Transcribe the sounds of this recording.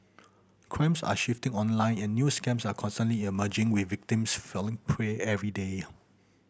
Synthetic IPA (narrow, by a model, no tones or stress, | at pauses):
kʰɹãɪ̃msa̰ʃiftɪ̃ŋɔ̃nlãɪ̃nɛ̃nːjuskɛ̃msakʰɔ̃nstə̃nliiməd͡ʒɪ̃ŋwɪvɪk̚tĩmsfɛlɪ̃ŋpʰɹɛɛvɹide